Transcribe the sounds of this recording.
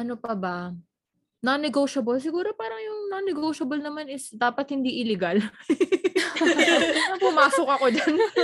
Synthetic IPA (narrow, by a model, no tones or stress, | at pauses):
ʔɐnopɐbɐ | nɐnɛɡowʃɐbɐls̬ɪɡuːɾo̞paːɾɐŋjʊŋnɐnɛɡowʃɐbɐlnɐmanɪsd̪aːpɐt̪̚hɪnd̪iːʔɪlɛɡal | ɐpʊmaːsokɐko̞d̪ɐn